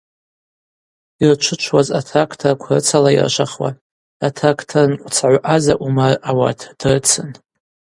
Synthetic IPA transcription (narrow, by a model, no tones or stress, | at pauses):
irt͡ʃʷʰɨt͡ʃʷʰwaza̰tʰakʰtʰarkʷʰrɨt͡sʰalaḭrʃʷaχwa̰ | atʰakʰtʰarnkʷʼt͡sʰaʕʷʔazaʔumarawa̰tʰd̥rɨt͡sʰɨn